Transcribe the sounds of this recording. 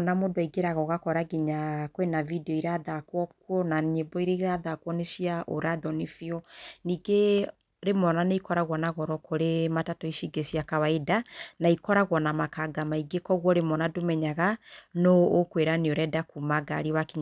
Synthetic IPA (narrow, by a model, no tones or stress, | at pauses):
namodoiɡeɾaɣɔɣakɔɾaɡiɲakwenavidɛɔiɾaðakwɔkwɔnaɲebɔiɾeiɾaðakwɔneʃiaʔoɾaðɔnifiɔniɡe | ɾemɔnaneikɔɾaɣwɔnaɣɔɾɔkoɾematatɔiʃiɡesiakawaedanaikɔɾaɣwɔnamakaɡamaiɡekɔɣwɔɾemɔnadomɛɲaɣanɔːkweɾanioɾɛdakumaɡa̰ɾiwakiɲa